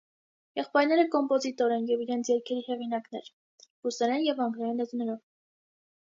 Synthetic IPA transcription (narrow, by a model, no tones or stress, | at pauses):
jɛχpɑjɾn̪ɛɾəkɔmpɔzit̪ɔɾɛnjɛviɾɛnt͡sʰjɛɾkʰɛɾihɛʁinɑknɛɾ | b̥usɛɾɛnjɛvɑŋɡɾɑɾɛnlɛt̪nɛɾɔv